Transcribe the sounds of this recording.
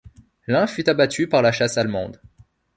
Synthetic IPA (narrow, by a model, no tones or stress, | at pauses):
lɛ̃fyt̪abat̪ʰypaʁlaʃasalmɑ̰̃d̪